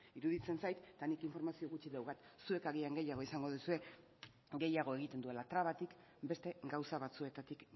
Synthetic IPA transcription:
iɾuðit͡se̞nsajt̪ːanikiɱfo̞ɾmasio̞ɣut͡ʃiðewkat̪sue̞kaɣiaŋɡe̞jaɣ̞o̞isaŋɡo̞ð̞usue̞ | ɡe̞jaɣ̞o̞e̞ɣ̞it̪e̞nd̪ue̞lat̪ɾaβat̪ik | be̞st̪e̞ɡawsaβat͡sue̞t̪at̪ik

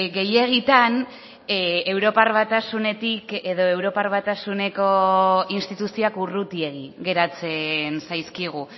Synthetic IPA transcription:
ɡe̞je̞ɣit̪an | ewɾo̞paɾβat̪asune̞t̪ike̞ðo̞e̞wɾo̞paɾβat̪asune̞ko̞inst̪it̪usioakurut̪ie̞ɣiɣe̞ɾat͡se̞nsajskiɣ̞u

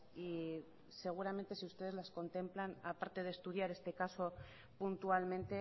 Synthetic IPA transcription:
i | se̞ɣ̞uɾamẽ̞nt̪e̞siust̪e̞ð̞e̞zlasko̞nt̪e̞mplanapaɾt̪e̞ð̞est̪uð̞jaɾe̞st̪e̞kaso̞ | punt̪ualmẽnt̪e̞

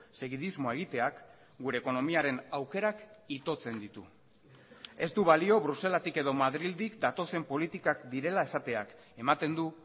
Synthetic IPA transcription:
se̞ɣiðizmo̞e̞ɣ̞it̪e̞ak | ɡuɾe̞ːko̞no̞miaɾe̞nawke̞ɾakit̪o̞t͡se̞nd̪it̪u | e̞st̪uβalio̞βɾuse̞lat̪ike̞ðo̞maðɾild̪ikd̪at̪o̞se̞mpo̞lit̪ikakd̪iɾe̞lae̞sat̪e̞ak | e̞mat̪e̞nd̪u

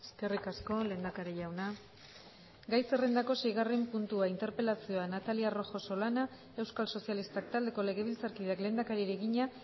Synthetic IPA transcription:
eske̞rikasko̞le̞ːnd̪akaɾeʝawna | ɡajse̞re̞nd̪ako̞se̞jɣ̞are̞mpunt̪uaint̪e̞ɾpe̞lasio̞anat̪aliaro̞xo̞so̞lana | e̞wskalso̞sialist̪ak̚t̪ald̪e̞ko̞le̞ɣ̞e̞β̞ilt͡saɾkiðeakle̞nd̪akaɾiɾe̞ɣiɲa

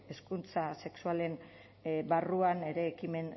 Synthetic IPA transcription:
e̞skunt͡sase̞ksuale̞m | baruane̞ɾe̞ːkime̞n

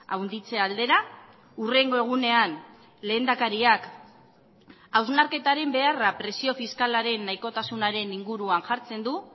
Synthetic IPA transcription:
a̰wnd̪it͡se̞ald̪e̞ɾa | ure̞ŋɡo̞e̞ɣ̞une̞an | le̞ːnd̪akaɾiak | awznaɾke̞t̪aɾe̞mbe̞arapɾe̞sio̞fiskalaɾe̞nːajko̞t̪asunaɾe̞niŋɡuɾuanʝaɾt͡se̞nd̪u

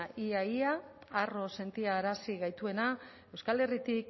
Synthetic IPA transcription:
iaiaaro̞se̞nt̪iaːɾasiɣajt̪ue̞na | e̞wskale̞rit̪ik

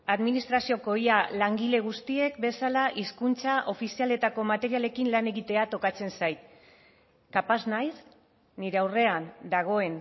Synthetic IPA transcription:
aðminist̪ɾasio̞ko̞ialaŋɡile̞ɣ̞ust̪ie̞kbe̞salaʔiskunt͡saʔo̞fisiale̞t̪ako̞mat̪e̞ɾiale̞kinlane̞ɣit̪e̞at̪o̞kat͡se̞nsajt̪̚ | kapaznajs | niɾe̞awre̞and̪aɣ̞o̞e̞n

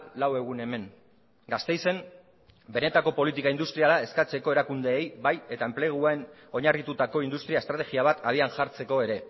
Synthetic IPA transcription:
lawe̞ɣ̞une̞me̞ŋ | ɡast̪e̞jse̞m | be̞ne̞t̪ako̞po̞lit̪ikaind̪ust̪ɾialae̞skat͡se̞ko̞e̞ɾakund̪e̞ːjbaje̞t̪ae̞mple̞ɣ̞uaen | o̞ɲarit̪ut̪ako̞ind̪ust̪ɾiaest̪ɾat̪e̞ɣiaβat̪aðianʝaɾt͡se̞ko̞e̞ɾe̞

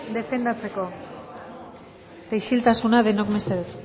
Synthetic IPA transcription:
d̪e̞fe̞nd̪at͡se̞ko̞ | t̪ejʃilt̪asunaðe̞nokmeseðut̪

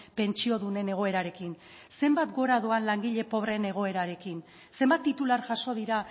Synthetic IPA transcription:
pe̞nt͡ʃio̞ðune̞ne̞ɣ̞o̞e̞ɾaɾe̞kin | se̞mbat̪ɡo̞ɾaðuanlaŋɡiʎe̞po̞β̞ɾe̞ne̞ɣo̞e̞ɾaɾe̞kin | se̞mbat̪ːit̪ulaɾʝaso̞ð̞iɾa

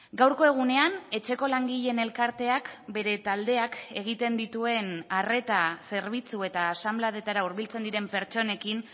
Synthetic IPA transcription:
ɡawɾko̞e̞ɣ̞une̞ane̞t͡ʃe̞ko̞laŋɡiʎe̞ne̞lkaɾt̪e̞akbe̞ɾe̞t̪ald̪e̞ake̞ɣ̞it̪e̞nd̪it̪ue̞nare̞t̪ase̞ɾβ̞it͡sue̞t̪aːsamblaðe̞t̪aɾauɾβilt͡se̞nd̪iɾe̞mpe̞ɾt͡ʃo̞ne̞kin

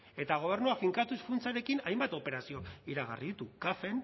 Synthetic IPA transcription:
e̞t̪aɣ̞o̞β̞e̞ɾnuafiŋkat̪usfunt͡saɾe̞kinajmbat̪o̞pe̞ɾasio̞iɾaɣ̞a̰riðit̪ukafe̞n

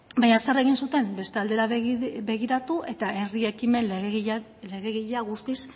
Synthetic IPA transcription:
baɲasere̞ɣ̞insut̪e̞mbe̞st̪e̞ald̪eɾabe̞ɣ̞iɾat̪uʔe̞t̪aʔe̞rie̞kime̞nɣɣ | le̞ɣeɣiʎaɣust̪is

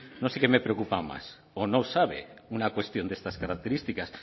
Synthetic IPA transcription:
nõnsekemepɾeokupama̰s | onõwsaβḛunakwest̪jond̪est̪askaɾak̚t̪eɾist̪ikas

